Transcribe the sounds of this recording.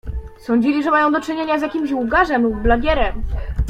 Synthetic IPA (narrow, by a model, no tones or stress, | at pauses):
sɔ̃ɲd͡ʑilʲiʐɛmajɔ̃w̃d̪ɔt͡ʂɘɲeɲazʲjakʲimɕwuɡaʐɛmblaɡʲɛɾɛm